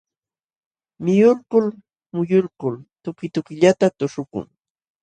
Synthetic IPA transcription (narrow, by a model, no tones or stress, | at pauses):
mɪjʊlkʊl | mʊjʊlkʊlt̪ʊkɪt̪ʊkɪʎat̪at̪ʊʂʊkʊ̰ŋ